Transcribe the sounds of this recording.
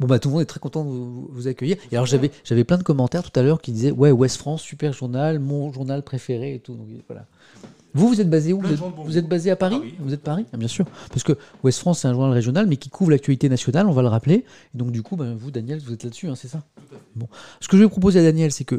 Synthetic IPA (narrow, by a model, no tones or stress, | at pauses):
bɔ̃bat̪ulmɔ̃d̪ɛt̪χɛkɔ̃t̪ɑ̃d̪əvuvuvuzakʲœjiːʁealɔʁʒavɛʒ̥avɛplɛ̃d̪əkɔmːɑ̃t̪ɛʁt̪u̥t̪alœʁkʲid̪izɛwɛwɛst̪fχɑ̃sːypɛʁʒuʁnalmɔ̃ʒuʁnalpχefeʁeːt̪ud̪ɔ̃kvwa̰la̰ | vuvuzɛt̪̚bazeuvuzɛt̪vuzɛt̪̚bazeapaʁivuzɛt̪̚paʁiɛ̃bjɛ̃syːʁpaʁsə̥kəwɛst̪fχɑ̃sːɛt̪ɛ̃ʒuʁnalʁeʒjɔnalmɛkʲikʰuvʁlakt̪ɥalit̪enasjɔnalɔ̃valəʁaple | ed̪ɔ̃kd̪ykʰubãvud̪anjɛlvuzɛt̪lad̪əsyɛ̃sɛsabɔ̃sə̥kəʒəvupχɔp̬ozead̪anjɛlsɛkə